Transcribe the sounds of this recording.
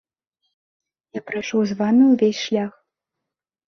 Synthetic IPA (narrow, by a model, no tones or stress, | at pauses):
japɾajʂɔwzvamʲiwvʲesʲʂlʲax